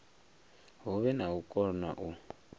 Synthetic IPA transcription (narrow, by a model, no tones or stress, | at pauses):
ɦuβɛnawukʼɔna̰ʔu